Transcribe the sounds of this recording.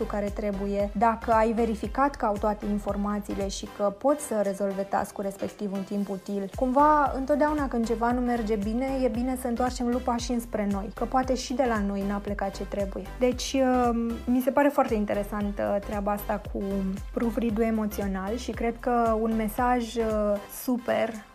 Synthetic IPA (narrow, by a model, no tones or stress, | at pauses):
t̪ukaɾe̞t̪ɾe̞buje̞d̪akəajve̞ɾifikat̪kəawt̪oat̪e̞info̞rmat̪sḭːle̞ʃikəpo̞t̪sʲsəɾe̞zo̞lve̞t̪a̰skuɾe̞spe̞kt̪ivunt̪imput̪ilkumvaɨ̰nt̪ot̪̚d̪eaunakɨnd̪t͡ʃe̞vanume̞rd͡ʒe̞bine̞je̞bine̞səɨnt̪oart͡ʃe̞mlupaʃiɨnspɾe̞no̞jkəpoat̪e̞ʃid̪e̞lano̞jnaplekat̪̚t͡ʃe̞t̪ɾe̞buje̞d̪e̞t͡ʃʲ | mise̞paɾe̞foart̪e̞int̪e̞ɾe̞sant̪ət̪ɾeabaast̪akʰupɾuvɾid̪ue̞mo̞t̪sio̞nalʃikɾe̞d̪̚kəunme̞saʒsupe̞r